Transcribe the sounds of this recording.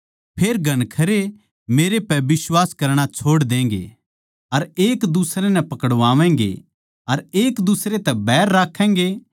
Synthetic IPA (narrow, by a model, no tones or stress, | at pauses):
pʰeːɾɡʱɐnkʰɐɾe | meːɾepɛbɪswaːskɐɾɽ̃at͡ʃʰoːɽd̪ẽːŋ̆ɡḛ | ɐɾeːkd̪usɾenɛ̃pɐkəɽʋaːʋɛ̃ːŋ̆ɡḛ | ɐɾeːkd̪usɾet̪ɛbɛːɾːaːkʰːɛ̃ːŋɡe